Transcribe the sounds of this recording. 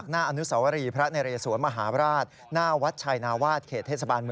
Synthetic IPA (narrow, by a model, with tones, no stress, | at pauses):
k̚naː˥˩ʔa˧nu˦˥saː˩˦wa˧ɾiː˧pʰɾa˦˥na˧ɾa˧ja˧suː˨˩˦ənma˧ɦaː˩˦pʰɾaː˥˩t̪̚ | naː˥˩wa˦˥t̪̚t͡ɕʰaː˧jnaː˧waː˥˩t̪̚kʰeː˨˩t̪ʰːe˥˩sa˧baː˧nmɯ˧˩